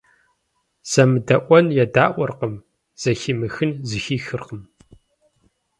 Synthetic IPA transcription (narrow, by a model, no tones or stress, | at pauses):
z̥ɐmɨdɐʔʷɔnjɛdaːʔʷɔrqəm | z̥ɐximɨxɨnzɨxiːxɨrqəm